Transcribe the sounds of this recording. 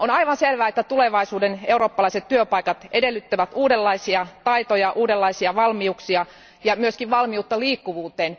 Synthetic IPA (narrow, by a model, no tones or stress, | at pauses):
onɑiʋɑnselʋæːet̪ːæt̪uleʋɑisuːdeneuroːpːɑlɑiset̪tyøpɑikɑt̪ʔedelːyt̪ːæʋæt̪uːdelːɑisiɑt̪ɑit̪ojɑʔuːdelːɑisiɑʋɑlmiuksiɑ | jɑmyøskiʋʋɑlmiut̪ːɑliːkːuʋuːt̪eːn